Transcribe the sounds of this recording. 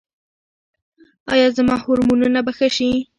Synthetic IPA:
ɑjɑzamɑhʊɾmununabaxəʃi

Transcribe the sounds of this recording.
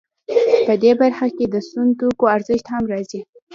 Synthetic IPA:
pəd̪ebaɾxaked̪əst̪unt̪okoaɾzəʃt̪hamɾɑzi

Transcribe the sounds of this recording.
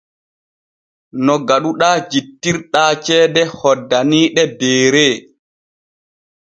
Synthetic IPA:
nɔɡaɗuɗaːd͡ʒitːiɾɗaːt͡ʃɛːdɛhɔdːaniːɗɛbɛːɾe

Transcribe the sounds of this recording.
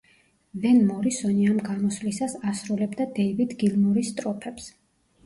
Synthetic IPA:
vɛnmɔɾisɔniamɡamɔsvlisasasɾulɛbd̪ad̪ɛjvid̪ɡilmuɾist̪ʼɾɔpʰɛps

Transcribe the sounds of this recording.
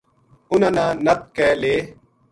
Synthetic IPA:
ʊnanãːnɐt̪̚kɛːleː

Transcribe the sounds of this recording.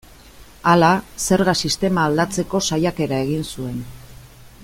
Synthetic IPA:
alase̞ɾɣasist̪e̞maːld̪at͡se̞ko̞sajake̞ɾae̞ɣ̞insue̞n

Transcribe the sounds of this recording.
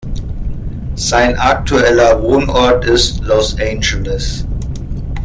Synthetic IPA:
sãɪ̃nʔak̚tʰuɛləwoːnɔdɪslɔsẽɪ̃nd͡ʒələs

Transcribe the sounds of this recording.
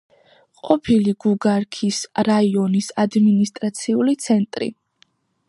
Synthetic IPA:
qʼɔpʰiliɡuɡaɾkʰisɾaiɔnisad̪minist̪ʼɾat̪sʰiulit̪sʰɛnt̪ʼɾḭ

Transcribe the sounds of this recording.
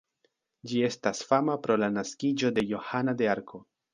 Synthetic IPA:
d͡ʒie̞stasfamapɾo̞lanaskid͡ʒo̞de̞jo̞hanade̞aɾkʰo̞

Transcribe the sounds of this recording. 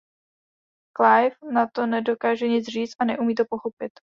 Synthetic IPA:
klajfnat̪o̞nɛdo̞kaːʒɛɲɪt͡sr̝iːt͡st̪ʔanɛʔumiːt̪o̞po̞xo̞pɪt̪

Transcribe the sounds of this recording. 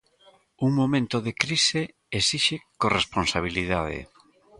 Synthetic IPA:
uŋmomẽnt̪oðekɾise | esiʃekoresponsaβiliðaðḛ

